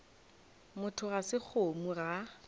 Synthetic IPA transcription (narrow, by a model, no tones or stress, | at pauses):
mʊtʰʊɣasɪk͡xʰomura